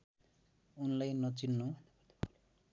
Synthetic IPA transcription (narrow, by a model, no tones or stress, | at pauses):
unlajnʌt͡sinːu